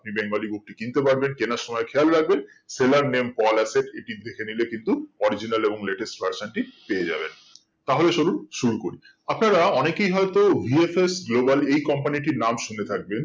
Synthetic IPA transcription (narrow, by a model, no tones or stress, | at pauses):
ap̚nibɛŋɡaliɡok̚ʈikint̪epaɽbenkenaɾʃɔmɔekʰealɾaɡ̚ben | selaɾnempɔlaseʈeʈid̪ʱekʰenilekint̪uɔɾid͡ʑinaleboŋleʈesʈbaɾsonʈipeed͡ʑa̰bḛn | t̪aɦoleʃoɾuɾʃuɾukoɾi | apnaɾaɔnekejɦɔet̪ovʱiefesɡlobalejkɔmpaniʈiɾnamʃunet̪ʰak̚ben